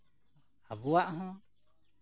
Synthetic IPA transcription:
abuaʔɦɔ̃

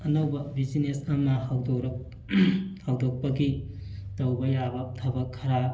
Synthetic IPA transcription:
ɐnɐwbɐbid͡ʒinesɐmɐhawdowɾɐ | hawdok̚pɐɡi | tɐwbɐjabɐtʰɐbɐkʰːɐɾa

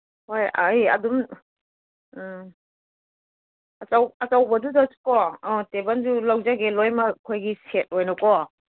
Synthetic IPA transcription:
hojajɐ̰dum | ɐt͡ʃawɐt͡ʃawbɐdudasu̥kɔɔtebɐnd͡ʒulawzaɡelojmɐkʰojɡiset̚ojnɔkɔ

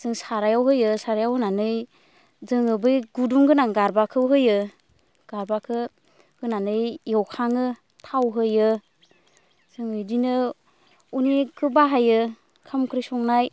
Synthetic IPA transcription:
z̥ɯŋsaɾajawɦɯjɯsaɾajawɯnanɯj | zɯŋɯbɯjɡuduŋɡɯnaŋɡaɾbakʰɯwɦɯjɯ | ɡ̥aɾbakʰɯ | ɡ̥ɯnanɯjjewkʰaŋɯ | tʰawɦɯjɯ | z̥ɯŋɯjdinɯ | unekʰɯbaɦajɯ | kʰamkʰɾɯjsɔŋnaj

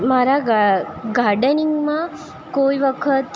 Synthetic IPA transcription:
maɾaɡaɡaɾɖəniŋɡma | koːiʋəkʰət̪

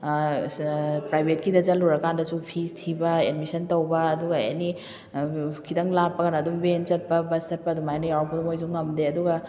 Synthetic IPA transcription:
pɾajbʱet̚kidɐzɐluɾɐkandɐsupʰistʰibɐedmisɐntowbɐːduɡɐḛni | kʰidɐŋlapːɐɡɐnɐdumbenzɐt̚pɐbɐszɐt̚pɐdumajnɐjawpʰɐdumojzuŋːɐmdeɐduɡɐ

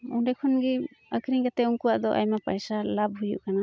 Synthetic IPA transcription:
udɛkʰɔnɡiəkʰɾiŋɡat̪ɛuŋkuwaʔd̪ɔʔa̰jmapajsalab̚ɦujṵʔkana

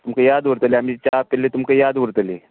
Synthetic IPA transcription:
t̪umkajad̪ʋəɾt̪əleamit͡ɕapelet̪umkajad̪ʋəɾt̪əle

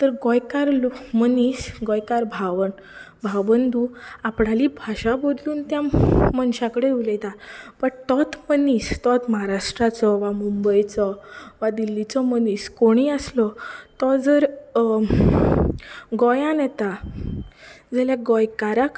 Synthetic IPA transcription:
t̪əɾɡɔjkaɾlomənisɡɔjkaɾbʱaʋən | bʱaʋənd̪uapɽaliːbʱaɕabod̪luːnt̪jãmənɕãkəɽeulet̪apəɳt̪ɔt̪ʰmənist̪ɔt̪məɦaɾaʂʈɾat͡sɔʋamumbəjt͡sɔʋad̪ilːit͡sɔməniːskoɽ̃iəslɔt̪ɔd͡zəɾ | ɡɔjãnɛt̪a | d͡zaljaɡɔjkaɾak

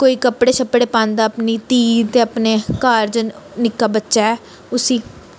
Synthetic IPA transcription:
koːiːkəpɽeːt͡ʃʰəpːɽeːpãːnd̪aːəpniːt̪iːt̪eːəpneːkaːɾd͡ʒənɪkːaːbətːʃaːɛː | ʊsiː

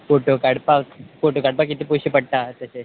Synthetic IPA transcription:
foʈokaɽpakfoʈokaɽpakit̪ipojɕipəɽt̪at̪əse

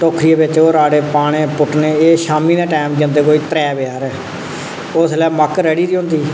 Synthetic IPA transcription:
t̪oːkʰɾiːeːbɪt͡ʃoːɾaːɽeːpaːɽ̃ẽːpʊʈneːeːʃaːmiːnãːʈaːmd͡ʒə̃nd̪eːkoːiːt̪ɾɛːbɪaːɾɛː | ʊslɛːməkɾɛːɽiːɾiːɦõnd̪iː

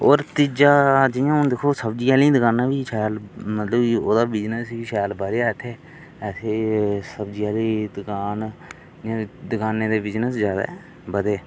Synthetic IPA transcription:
oːɾt̪id͡ʒaːd͡ʒɪjãːʊnd̪eːkʰoːsəbd͡ʒiːaːlĩːd̪əkaːnaːbiːʃɛːlmət̪ləbioːd̪aːbɪd͡ʒnəsiːʃɛːlbəɾeat̪ʰeː | ɛt̪ʰeːsəbd͡ʒiaːliːd̪əkaːn | ãd̪əkaːneːd̪eːbɪd͡ʒnəsd͡ʒaːd̪ḛː | bəd̪eː

